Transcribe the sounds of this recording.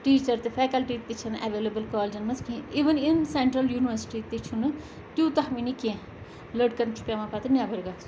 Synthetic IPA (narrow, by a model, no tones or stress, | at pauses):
ʈiːt͡ʃɐɾt̪efʰɛːkɐlʈit̪it͡ʃʰɐnɛ̰ʋeːlɐbəlkɔːld͡ʒɐnmɐzkʰĩiːʋəninsẽɳʈɾɐljuːniʋəɾsi̥ʈit̪et͡ʃʰunɨ | t̪juːt̪ɐhminikẽ | ləɖkɐɾnt͡ʃʰu̥pjaːmãːpat̪ɨnjaːbɐɾɡa